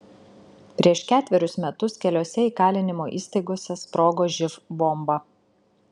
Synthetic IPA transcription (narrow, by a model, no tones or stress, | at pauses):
pʲɾʲiɛʃkʲæːt̪ʲʋʲɛɾʲʊsmʲɛt̪ʊskʲɛlʲoːsʲɛiːkɑːlʲɪnʲɪmoːʔiːsʲt̪ɐɪɡoːsʲɛspɾoːɡoːʒʲɪfbɔmbɐ